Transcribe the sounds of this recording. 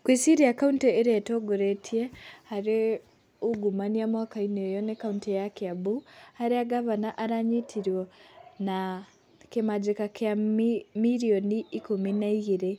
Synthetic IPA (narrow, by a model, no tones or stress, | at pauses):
kwisiɾiakaunteeɾetoɡoɾetʰjehaɾe | uɡumaniamwakainejonekauntejakjaβuhaɾeaɡaβanaʔaɾaɲitʰiɾwona | kemad͡ʒekakjamiɾioniːkominaiɣiɾe